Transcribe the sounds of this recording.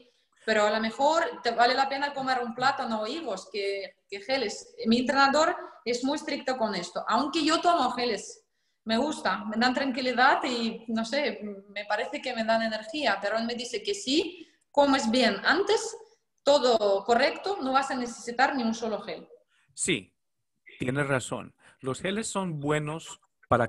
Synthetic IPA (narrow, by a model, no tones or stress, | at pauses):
peɾoalomexoɾt̪eβalelapenakomeɾumplat̪anoiɣoskekexelesmient̪ɾenaðoɾezmujst̪ɾik̚t̪okonest̪oʔawŋkejot̪omoxeles | meɣust̪ameðant̪ɾaŋkiliðat̪inosemepaɾeθekemeðaneneɾxiapeɾoelmeðiθekesi | komoezbjenant̪es | t̪oðokorekt̪onoβasaneθesit̪aɾniunsoloxel | sḭ | t̪jenesraso̰n | losxelesːonbwenos | paɾa